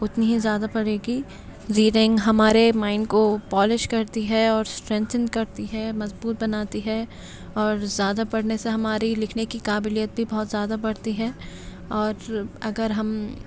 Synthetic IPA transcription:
ʊt̪niɦizjaːd̪apɐɽeːɡi | ziːɾɪ̃ŋɡɦɐmaːɾemãːɪnɖkopɔːleʃkɐɾt̪iɦɛɔːɾsʈɾɛ̃ːnt̪ʰə̃nd̪kɐɾt̪iɦɛmɐzbuːt̪̚bɐnaːt̪iɦɛ | ɔːɾzjaːd̪apɐɽ̤neseɦɐmaːɾilɪkʰnekikaːbɪlijət̪̚bʱibɔɦɔt̪zjaːd̪abɐɽ̤t̪iɦɛː | ɔːɾɐɡəɾɦɐm

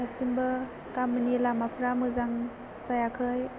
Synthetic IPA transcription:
asimbɐ | kamɯnilamapʰɾamɯzaŋ | sajakʰɯj

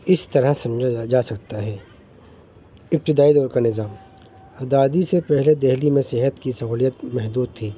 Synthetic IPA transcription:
ɪst̪ɐɾəɦsɐ̃md͡ʒad͡ʒaːsɐk̚t̪aɦɛː | ɪp̚t̪ɪd̪aːid̪ɔːɾkanɪzaːm | ɐd̪aːd̪isepɛɦled̪ɛɦlimẽsɪɦət̪kisɐɦuːlijət̪mɛɦd̪uːd̪̚t̪ʰiː

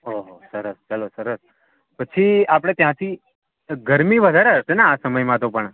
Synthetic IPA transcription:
oɦsəɾəst͡ʃəlosəɾəs | pət͡ʃʰiapəɽ̃et̪jãt̪ʰi | ɡəɾmiʋəd̪ʱaɾeɦəʃenãːsəməjmãt̪opəɳ

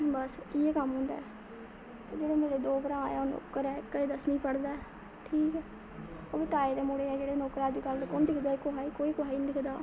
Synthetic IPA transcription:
bəsieːkəmɦʊ̃ːnd̪a̰ɛ | t̪eːd͡ʒeːɽeːmeːɾeːd̪oːbəɾãːaːjaono̰ːkːəɾɛːkːəid̪əsmiːpəɽd̪aːɛː | ʈʰiːkɛː | oːʋɪt̪aːeːd̪eːmʊɽeːɛːd͡ʒeːɽeːnɔːkəɾaːd͡ʒkəld̪kond̪ɪkʰd̪aːkʊɦaːiːkoːiːkʊɦaːiːnd̪ɪkʰd̪aː

